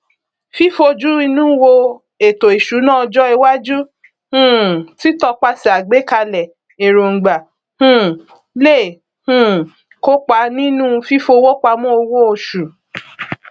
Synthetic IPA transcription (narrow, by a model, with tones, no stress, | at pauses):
fi˦fo˧d͡ʒu˦i˧nũ˦wo˧ | e˨to˨i˨ʃu˨˦nãː˦ɔ˧d͡ʒɔ˦i˧wa˦d͡ʒu˦ | h̩˦ti˦tɔ˧k͡pa˧˦si˨a˨ɡ͡be˨˦ka˧lɛ˨ | e˨ɾo˨ŋ̩˨ɡ͡ba˨ | hũ˦ | le˦˨ | hũ˦˧˨ | ko˦k͡pa˧nĩ˦nũ˦˧fi˦fo˧wo˦k͡pa˧mɔ̃˦o˧wo˦o˧ʃu˨